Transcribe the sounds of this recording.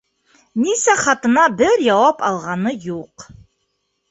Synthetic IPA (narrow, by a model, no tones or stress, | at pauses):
nisæχɑt̪ɤ̆nɑbɘɾjɑwɑpɑlˠʁɑnɤjuq